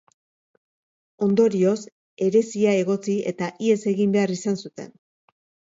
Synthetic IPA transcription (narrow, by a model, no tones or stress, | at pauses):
o̞nd̪o̞ɾio̞s | e̞ɾe̞siae̞ɣo̞t͡sie̞̰t̪aʔie̞se̞ɣimbe̞arisansut̪e̞̰n